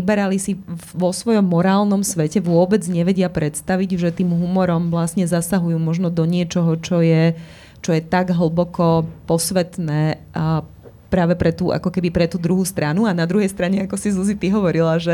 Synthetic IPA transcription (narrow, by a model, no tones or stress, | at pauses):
ibɛɾalisiʋɔsʋɔjɔmːɔɾaːlnɔmsʋɛcɛʋʊɔbɛd͡zɲɛʋɛɟɪapɾɛt̪st̪aʋiɟʒɛt̪iːmɦumɔɾɔmʋlasɲɛzasaɦujuːmɔʒnɔd̪ɔɲɪɛt͡ʃɔɦɔt͡ʃɔjɛ | t͡ʃɔjɛt̪aɡɦl̩ˠbɔkɔpɔsʋɛt̪nɛː | pɾaːʋɛpɾɛt̪uːʔa̰kɔkɛbipɾɛt̪uːd̪ɾuɦuːst̪ɾanuanad̪ɾuɦɛjst̪ɾaɲɛakɔsizuzit̪iɦɔʋɔɾilaʒɛ